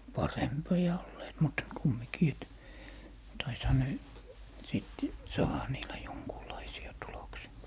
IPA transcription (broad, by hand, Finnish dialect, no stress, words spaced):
pɑrempiɑ olːeːt mut kumːikiː et tɑishɑ ne siˑt sɑːhɑ niːlæ joŋkuːlɑisiɑ tuloksiɑ